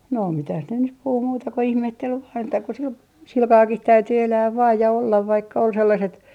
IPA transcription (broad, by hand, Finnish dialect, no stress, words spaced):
no mitæh ne nyp puhu muːtɑ ko ihmetːel ʋɑːn etːæ ko sil silkɑːkih tæyty elæːʋ ʋɑːj jɑ olːɑʋ ʋɑikːɑ ol selːɑset